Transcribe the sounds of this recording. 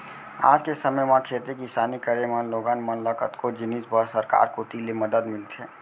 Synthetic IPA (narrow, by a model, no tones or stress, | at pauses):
a̰d͡ʒkesəməjmãkʰet̪ekisanikəɾemənloɡanmənləkət̪kod͡ʒɪnisbəɾsəɾka̰ːɾkoʈ̪ileməd̪əd̪mɪlt̪ʰe